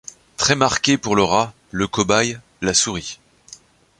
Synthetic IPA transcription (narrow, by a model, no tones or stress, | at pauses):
t̪χɛmaʁkʲepuʁləʁa | ləkɔbaj | lasuʁi